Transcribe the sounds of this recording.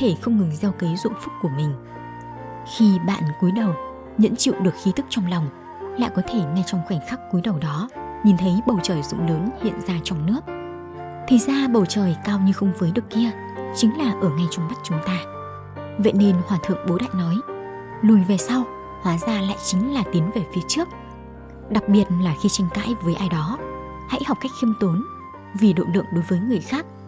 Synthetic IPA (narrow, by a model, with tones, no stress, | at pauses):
ɔ˦t̪ʰe˧˩xə˧wŋ͡mŋɨ˨˩ŋzɛ˧wke˨˦zʊ̰˧˨nfʊ˦˥k͡p̚kːu˧˩əmï˨˩ŋ̟ | xi˧ɓa̰ː˧˨nku˨˦jɗə˨˩w | ɲə̰˧˥nt͡ɕḭ˧˨wɗɨ˨˩ək̚xi˨˦t̪ɨ˦˥k̚t͡ɕɔ˧ŋ͡mlɔ˨˩wŋ͡m | la̰ː˧˨jkɔ˨˦t̪ʰe˧˩ŋa˧jt͡ɕɔ˧wŋ͡mxwɛː˧˩ŋxa˦˥k̚ku˨˦jɗə˨˩wɗɔ˨˦ɲi˨˩nt̪ʰə˨˦jɓə˨˩wt͡ɕəː˨˩jzʊ̰˧˥ŋ͡mləː˨˦nhḭ˧˨ənzaː˧t͡ɕɔ˧wŋ͡mnɨ˦˥ək̚ | t̪ʰi˨˩zaː˧ɓə˨˩wt͡ɕəː˨˩jkaː˧wɲɨ˧xə˧wŋ͡mvəː˨˦jɗɨ˨˩ək̚ːi˧ə | t͡ɕï˨˦ŋ̟laː˨˩ʔəː˧˩ŋa˧jt͡ɕɔ˧wŋ͡mma˦˥t̚t͡ɕʊ˨˦ŋ͡mt̪aː˧ | vḛ˧˨ne˧nhwaː˨˩t̪ʰɨ̰˧˨əŋɓo˨˦ɗa̰ː˧˨ŋnɔ˨˦j | lu˨˩jve˨˩sa˧w | hwaː˨˦zaː˧la̰ː˧˨jt͡ɕï˨˦ŋ̟laː˨˩t̪i˨˦ənve˨˩fi˨˦ət͡ɕɨ˦˥ək̚ | ɗa˨˩k̚ɓi˨˩ət̚laː˨˩xi˧t͡ɕa˧jŋ̟ka̰ː˧˥jvəː˨˦jʔaː˧jɗɔ˨˦ | ha̰˧˥jha˨˩k͡p̚kːa˦˥jk̟̚xi˧əmt̪o˨˦n | vi˨˩ɗo̰˧˨lɨ̰˧˨əŋɗo˨˦jvəː˨˦jŋɨ˨˩əjxaː˦˥k̚